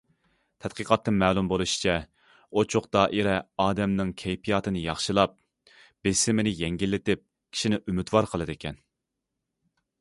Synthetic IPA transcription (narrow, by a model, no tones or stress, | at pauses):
t̪ʰɛt̪̚qəqɑt̪ːɨmɛːlˠumbolˠuʃi̥t͡ʃʰɛ | ot͡ʃʰoqd̪ɑːʔiɾɛɑːd̪ɛmnɪŋkʲʰɛjpʰijɑːt̪ɨnɨjɑχʃɨlˠɑp̚ | b̥ɪsɪmɪnɪjɛŋɡʲilːɪt̪ɪp̚ | kʲʰi̥ʃinɪʔymyt̪wɑɾqʰəlˠɨd̪ɪkʲʰɛn